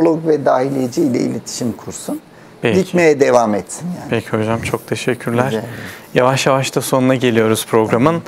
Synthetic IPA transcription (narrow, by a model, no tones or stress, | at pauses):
olˠoɡvɛd̪aːhilʲijed͡ʒiilʲɛ̰ḭlʲet̪ʰi̥ʃimkʰuɾsun | pɛlʲicmejɛd̪evamɛt̪sinjaːpʰecʰiho̞d͡ʒamt͡ʃʰo̞k̚t̪ʰe̞ʃɛcʰːyɾlʲæɾjavaʃjavaʃt̪ʰaso̞nunaɟe̞lʲijo̞ɾuz̥pʰɾo̞ɡɾamɯn